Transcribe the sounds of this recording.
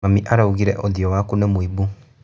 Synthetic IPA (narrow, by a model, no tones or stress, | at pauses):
amiʔaɾauɣiɾɛʔoðiɔwakunemwibu